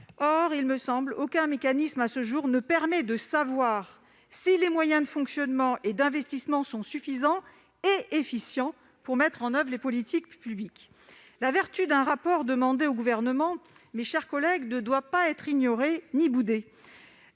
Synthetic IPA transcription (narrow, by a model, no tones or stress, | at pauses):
ɔʁilməsɑ̃blokʲɛ̃mekanismasəʒuʁnəpɛʁmɛd̪əsavwaʁ | silemwajɛ̃d̪əfɔ̃ksjɔnmɑ̃ʔed̪ɛ̃vɛst̪ismɑ̃sɔ̃syfizɑ̃ | eefisjɑ̃ | puʁmɛt̪χɑ̃nœvʁlepɔlit̪ʰikpyblik | lavɛʁt̪yd̪ɛ̃ʁapɔʁd̪əmɑ̃d̪eoɡuvɛʁnəmɑ̃ | mɛʃɛʁkɔlɛɡnəd̪wapaɛt̪χiɲɔʁenibud̪e